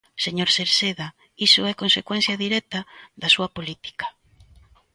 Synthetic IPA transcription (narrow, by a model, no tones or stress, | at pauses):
seɲoɾseɾseða | isʊɛkonsekwɛ̃n̟θjɐðiɾɛt̪ɐðɐsuɐpolit̪i̥kḁ